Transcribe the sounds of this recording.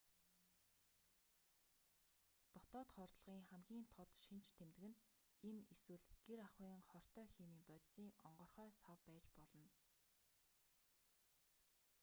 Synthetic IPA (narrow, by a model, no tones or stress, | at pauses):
t̪ɔt̪ɔːt̪χɔrt̪ɮ̆ʁiːŋχæmɡʲiːnt̪ʰɔt̪ʃin̥t͡ɕʰt̪ʰemt̪ɘ̆ɘ̆n | emeswɘ̆ɮɡ̥eɾaχwiːŋχɔr̥t̪œːxemiːmpœt̪siːŋɔɴɢɞ̆rχœːsawpæːt͡ɕpɔɮɞ̆n